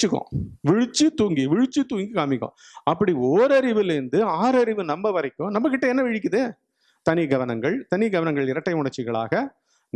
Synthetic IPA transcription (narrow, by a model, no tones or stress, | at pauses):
ɯkːõ̰ʋɪɻɯt͡ʃːɯt̪uːŋɡiʋɪɻɯt͡ʃːɯt̪uːŋɡikaːmɪkːõ̰ː | ɐpːɐɽioːɾɐɾɪʋɪlɪɾɯnd̪ɯaːɾɐɾɪʋɯnɐmbɐʋɐɾɐɪkːʊ̃nɐmːɐkɪʈːɐɛnːɐʋɪɻɪk̬ʲːɯðɯ | t̪ɐniɡɐʋɐnɐŋɡɐɭt̪ɐnɪɡɐʋɐnɐŋɡɐɭɪɾɐʈːɐɪmʊɳɐɾt͡ʃːɪɣɐɭa̰ːɣɐ